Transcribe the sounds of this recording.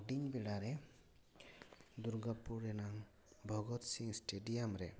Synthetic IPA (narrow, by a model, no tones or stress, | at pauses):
ɖiɲbɛɽaɾɛ | d̪uɾɡapuɾɛnaŋ | bʱɔɡɔt̪siŋsʈeɖijamɾɛ